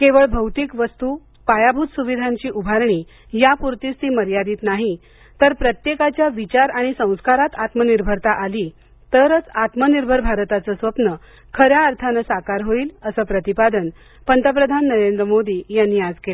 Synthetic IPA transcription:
keʋəɭbʱəwt̪iːkʋəst̪u | pajabʱut̪suʋid̪ʱãɲt͡ɕiːʔubʱaɾɳiː | japuɾt̪iːst̪iːməɾjad̪iːt̪naɦi | t̪əɾpɾət̪jekat͡ɕjaʋit͡ɕaɾaɽ̃isə̃w̃skaɾat̪at̪məniɾbʱəɾt̪aʔaliː | t̪əɾət͡sat̪məniɾbʱəɾbʱaɾt̪at͡səsʋəpnə | kʰəɾjaəɾt̪ʰanəsakaɾɦoiːləsəːpɾət̪ipad̪ən | pənt̪əp̬ɾəd̪ʱanːəɾend̪ɾəmod̪iːjanːiːad͡zkel

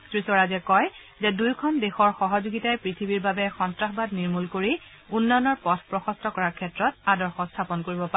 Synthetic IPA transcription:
tɹisɔɹazɛkɔj | zɛdujkʰɔndexɔɹxɔɦɔzuɡitajpɹitʰibiɹbabɛxɔntɹaxbadniɹmulkoɹi | unːɔnɔɹpɔtʰpɹɔxɔstɔkɔɹaɹkʰɛtɹɔt̚adɔɹxɔstʰapɔnkoɹibɔpaɛ

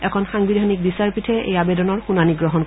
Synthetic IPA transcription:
ɛkʰɔnxaŋbidʱanik̚bisaɹpitʰɛḛjabedɔnɔɹxunaniɡɹɔɦɔnk

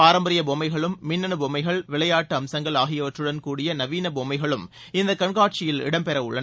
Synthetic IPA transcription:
aːɾɐmbɐɾɪjɐboːmɐɪɣɐɭɯmːɪnːɐnɯboːmɐɪɣɐɭʋɪɭɐjaːʈːɯɐmsɐŋɡɐɭaːɣɪjɐʋɐʈrɯɽɐnkuːɽɪjɐnɐʋiːnɐboːmɐɪɣɐɭɯm | ɪnd̪ɐkːɐɳɡaːʈ̚t͡ʃɪjɪlɪ̰ɽɐmpɛɾɐʊɭːɐn

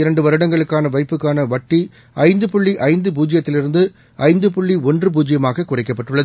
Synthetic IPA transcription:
ɪɾɐɳɖɯʋɐɾɯɽɐŋɡɐɭɯkːaːnɐʋɐɪpːɯkːaːnɐʋɐʈːi | ɐɪnd̪ɯpʊɭːiʔɐɪnd̪ɯp̬uːd͡ʒɪjɐt̪ːɪlɪɾɯnd̪ɯ | ɐɪnd̪ɯpʊɭːiɔndrɯp̬uːd͡ʒɪjɐmaːɣɐkʊrɪkːɐpːɐʈːɯɭːɐðɯ

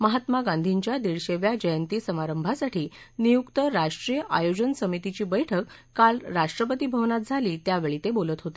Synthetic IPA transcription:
məɦat̪maɡãnd̪ʱiɲt͡ɕjad̪iɭɕeʋjad͡ʑəjənt̪iːsəmaɾəmbʱasaʈʰiː | nijukt̪əɾaʂʈɾijəʔajod͡ʑənsəmit̪it͡ɕiːbəjʈʰəkː | alɾaʂʈɾəpət̪ibʱəʋnat̪̚d͡zʱaliːt̪jaʋeɭit̪ebolət̪ɦot̪e̥

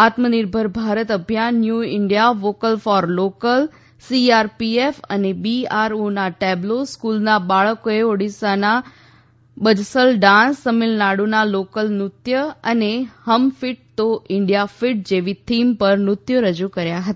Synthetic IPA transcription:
at̪məniɾbʱəɾbʱaɾət̪əbʱjanːjuɪɳɖijaʋokəlfɔɾlokəl | siaɾpiefə̰nebiaɾunaʈebloskulnabaɭəkoeoɽisana | ɓəd͡ʒsəlɖãnsːəmɪlnaɽunalokəlnɾʊt̪jəənehəmfɪʈ̚t̪oɪɳɖijafiʈ̚d͡ʒeʋit̪ʰimpəɾnɾʊt̪jəɾəd͡ʒukəɾjaɦət̪aḁ

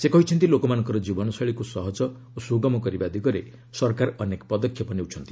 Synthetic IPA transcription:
sekɔɦit͡ʃʰʌnt̪ilokɔmanɔ̃ŋkɔɾɔd͡ʒibɔnɔsɔɭikusʌɦɔd͡ʒɔ | osuɡɔmɔkɔɾibad̪ʱiɡʌɾḛ | sʌɾkaɾʌnekpɔd̪ɔkʰjʌpɔniewt͡ʃʰʌnt̪i̥

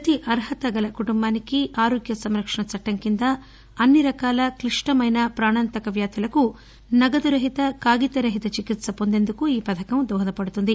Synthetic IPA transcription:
pɾɐt̪iʔɐɾɦɐt̪ɐɡɐlɐkuʈumbaːnikiʔaːɾoːɡjɐsɐmɾɐkʂɐɳɐt͡ʃɐʈːɐŋkind̪ɐ | ɐnːiɾɐkaːlɐkɾiʂʈɐmɐjnɐpɾaːɳant̪ɐkɐʋjaːt̪ʰulɐku | nɐɡɐd̪uɾɐɦit̪ɐkaːɡit̪ɐɾɐɦit̪ɐt͡ʃikit̪sɐpo̞nd̪e̞nd̪ukuiːpɐt̪ʰɐkɐmd̪ɔːd̪ɐpɐɽut̪und̪i

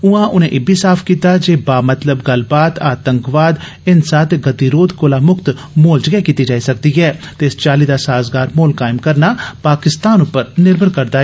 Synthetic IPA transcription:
ʊãːʔʊnẽːʔebʱiːsaːpʰkiːt̪ad͡ʒeːbaːmət̪ləbɡəlbaːt̪aːt̪əŋkʋaːd̪ | ɪnsaːt̪ʰɡət̪iːɾoːd̪koːlaːmʊkt̪ | moːld͡ʒəɡɛːkiːt̪id͡ʒaːisək̚d̪iɦɛːt̪eːst͡ʃaːliːd̪aːsaːzɡaːɾmoːlkaːɪmkəɾnaːpaːkɪst̪aːnʊpːəɾnɪɾbʱəɾkəɾd̪aːɦɛ

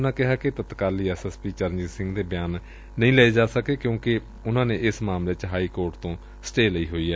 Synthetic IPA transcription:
nãːkɪɦaːket̪ət̪kaːliːɛːsɛːspiːt͡ʃəɾnd͡ʒɪzsɪ̃ŋɡd̪eːbjaːnː | əɦĩːlɛeːd͡ʒaːsəkeːkjõːkɪ | ʊnãːneːɪsmaːmleːt͡ʃɦaːiːkoːɾʈt̪õː | sə̥ʈeːləiːɦoːiːɛː

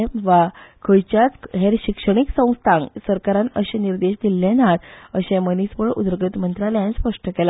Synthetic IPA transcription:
ʋakʰəjt͡ɕjat͡sɦeɾɕikʂəɳ̃iksə̃w̃st̪ʰãŋɡsəɾkaɾãnəɕɛ̃niɾd̪eɕd̪ilːenat̪əɕɛ̃mənispəɭud̪ɾəɡət̪mənt̪ɾaljãnspəʂʈəkɛla

